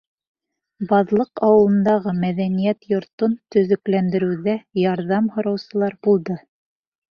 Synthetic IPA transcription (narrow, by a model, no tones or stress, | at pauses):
bɑðlˠɤqɑwɤ̆lˠɤ̆nd̪ɑʁɤmæðænijæt̪jŏɾt̪ont̪ɵ̆ðɵ̆klænd̪ɘ̆ɾɘ̆wðæjɑɾðɑmhŏɾɑwsɤ̆lˠɑɾbulˠd̪ɤ